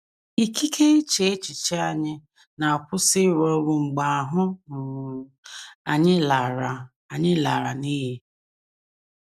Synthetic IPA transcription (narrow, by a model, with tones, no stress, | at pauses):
i˨ki˦kʰe˦e˦t͡ʃe˦e˦t͡ʃi˨t͡ʃe˦a˨ɲɪ˦ | na˨a˨pʊ˦sɪ˦ɾɔ˦ɾʊ˨ŋ͡m̩˨ɡ͡ba˨a˨ɦʊ˦˨ | a˨ɲɪ˦la˨ɾa˨ | a˨ɲɪ˦la˨ɾa˨ni˦ɦi˦